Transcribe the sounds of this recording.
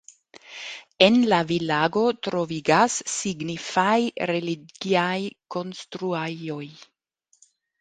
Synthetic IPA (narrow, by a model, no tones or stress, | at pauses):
enlavilaɡo̞tɾo̞viɡasːiɡnifajɾeliɡiajko̞nstɾuajo̞j